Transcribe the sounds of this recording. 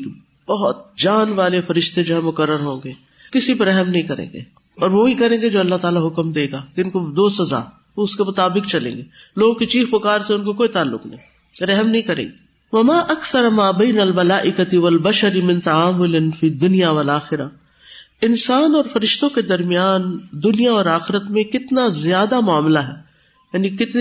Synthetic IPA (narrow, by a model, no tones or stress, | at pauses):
k | bɐɦɔt̪̚d͡ʒaːnʋaːlefɐɾɪʃt̪ed͡ʒoːɦɛmʊkɐɾːəɾɦõːŋɡeː | kɪsipɐɾɛɦɛmnɐɦĩkɐɾḛ̃ːŋɡḛː | ɔːɾʋoːikɐɾẽːŋɡed͡ʒoːɐlːaɦt̪aːlaɦʊkmd̪eːɡaːkeɪnkod̪oːsɐza̰ː | oʊskemʊt̪aːbɪkt͡ʃɐlḛ̃ːŋɡeːloːɡkit͡ʃiːxpʊkaːɾseʊnkokoːit̪aːlːʊ̰knɐ̰ɦĩ | ɾɛɦmnɐɦĩkɐɾḛ̃ːɡeː | ʋɐmaːʔɐkθɐɾmaːbeːnɐlmɐlaːʔɪkɐt̪ɪʋɐlbɐʃɐɾimɪ̃nt̪ɐaːmʊlɪnfiːd̪ʊnijaʋɐlaːxɪɾa | ɪnsaːnɔːɾfɐɾɪʃt̪õked̪ɐɾmijaːnd̪ʊnijaɔːɾaːxɪɾət̪mẽkɪt̪nazjaːd̪amʊaːmlaɦɛː | jaːnikɪt̪